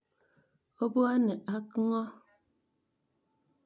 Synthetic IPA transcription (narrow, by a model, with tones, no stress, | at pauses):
o˦bo˦a˦nɛ˨ʔa˦kŋɔ˦